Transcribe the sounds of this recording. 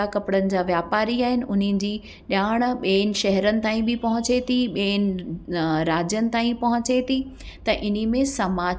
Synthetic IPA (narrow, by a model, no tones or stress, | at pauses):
akɐpɪɽənɪ̆d͡ʑaːʋjaːpaːɾiaːɦɪnɪ̆ʔʊn̤ɪnɪ̆d͡ʑiː | ɗaːɽ̃̆ɓeːnɪ̆ʃɛɦɛɾənɪ̆t̪aːĩbɪpɐɦʊ̃t͡ɕet̪ʰiɓeːnɪ̆ | ɾaːd͡ʑjənɪ̆t̪aːĩpɐɦʊ̃t͡ɕet̪ʰi | t̪ɐʔɪnimẽsɐmaː